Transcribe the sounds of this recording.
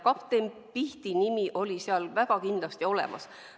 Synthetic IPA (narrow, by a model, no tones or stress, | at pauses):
kɑpt̪em | piht̪inimiʔo̞lʲiseɑlvæɡ̥ɑkind̪̥lɑst̪io̞le̞̰mʔɑ̰s